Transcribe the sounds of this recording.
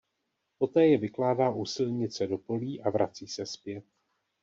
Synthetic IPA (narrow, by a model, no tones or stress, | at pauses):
po̞t̪ɛːjɛvɪklaːdaːʔusɪlɲɪt͡sɛdo̞po̞liːʔavɾʔa̰t͡siːsɛspjɛt̪̚